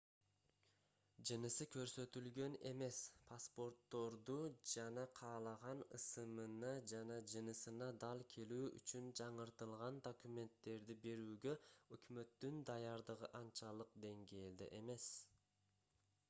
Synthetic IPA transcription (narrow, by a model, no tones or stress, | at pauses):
d͡ʒɯnɯsɯkø̞ɾsø̞t̪ylɡø̞ne̞̰me̞spʰaspo̞ɾt̪ːo̞ɾd̪ud͡ʒɑnɑqʰɑːlˠɑʁɑnɯsɯmɯnɑd͡ʒɑnɑd͡ʒɯnɯsɯnɑd̪ɑlˠkʰe̞lyːʔy̰t͡ʃynd͡ʒɑɴɯɾt̪ɯlˠʁɑnd̪o̞kumʲe̞nt̪ːe̞ɾd̪ibe̞ɾyːɡø̞økymø̞t̪ːynd̪ɑjɑɾd̪ɯʁɯʔɑnt͡ʃɑlˠɯq̚d̪e̞ŋɡe̞ːld̪ḛʔe̞me̞s